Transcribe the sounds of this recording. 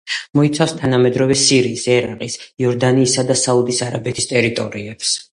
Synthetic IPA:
mɔit̪sʰafst̪ʰanamɛd̪ɾɔvɛsiɾiːsɛɾaqʼisiɔɾd̪aniːsad̪asaud̪isaɾabɛt̪ʰist̪ʼɛɾit̪ʼɔ̰ɾiɛps

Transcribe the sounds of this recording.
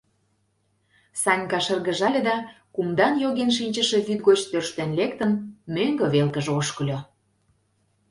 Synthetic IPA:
sɑnʲkɑʃərɣə̆ʒɑlʲĕd̪ɑ | kumd̪ɑnjoɣenʃ̬inʲt͡ɕə̆ʃĕβyt̪ɣot͡ɕt̪ørʃt̪enlekt̪ənmøŋɡə̆βelkəʒoʃkə̆lʲo

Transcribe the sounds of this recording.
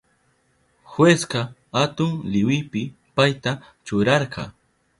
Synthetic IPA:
xwesqɑ | hat̪ʊŋlɪwɪpɪ | pajt̪a | t͡ʃʊɾɑɾqɑ̰

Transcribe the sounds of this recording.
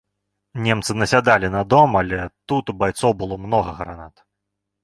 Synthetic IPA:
nʲɛmt̪sɨnɐsʲad̪alʲinɐd̪ɔmalʲɛt̪ut̪ubajt̪sɔwbɨlˠɔmnɔɣɐɣɾa̰nat̪

